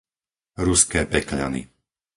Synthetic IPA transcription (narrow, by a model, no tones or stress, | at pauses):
ɾuskɛːpɛkʎa̰nḭ